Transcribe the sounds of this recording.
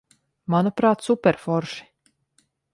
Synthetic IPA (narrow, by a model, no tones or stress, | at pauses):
manupɾaːt̪supʲɛɾfɔɾʃi̥